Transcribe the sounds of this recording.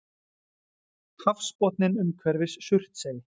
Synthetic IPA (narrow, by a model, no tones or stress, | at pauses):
hafspɔt̪nɪnʏmkʰvɛɾvɪsːʏr̥t̪seːj